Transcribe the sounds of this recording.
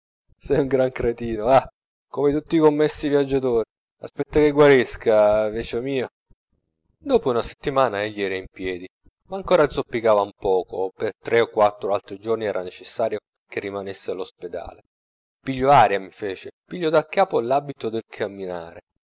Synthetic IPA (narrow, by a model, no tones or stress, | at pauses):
sɛjuŋɡɾaŋkɾet̪iːnoa | komet̪ut̪ːikomːesːivjad͡ʒːat̪oːɾi | aspɛt̪ːakeɡwaɾiskaveːt͡ʃomiːo | d̪oːpounase̥t̪ːimaːnaeʎːiɛːɾaimpjɛːd̪i | maːŋkoːɾad̪zopːikaːvaumpɔːkopert̪ɾeokːwat̪ːɾoalt̪ɾid͡ʒorniɛːɾanet͡ʃesːaːɾjo | kerːimanesːealosped̪a̰ːle | piʎːoaːɾjamifeːt͡ʃepiʎːod̪akːaːpolabit̪od̪elkʰamːinaːɾe